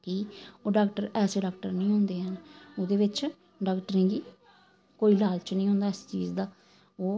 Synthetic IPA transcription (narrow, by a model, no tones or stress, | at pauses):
kioːɖaːk̚ʈəɾɛːseːɖaːk̚ʈəɾnĩːɦõːnd̪eːɦənod̪eːʋɪt͡ʃ | ɖaːkʈəɾẽːɡiː | koːiːlaːlt͡ʃnəĩːɦõːnd̪aːɪst͡ʃiːzd̪aː | oː